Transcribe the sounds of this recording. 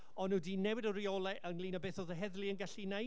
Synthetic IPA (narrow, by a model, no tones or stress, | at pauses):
ɔnudiːnɛwɪdəɾiolˠɛʔənlˠiːnɔbeːθoːðəɦɛðlˠiənɡaɬina